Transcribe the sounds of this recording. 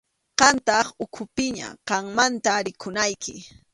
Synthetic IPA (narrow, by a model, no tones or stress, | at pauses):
qɑnt̪ɑχʊkʰʊpɪɲa̰qɑŋmant̪aɾɪkʰʊnajkʰɪ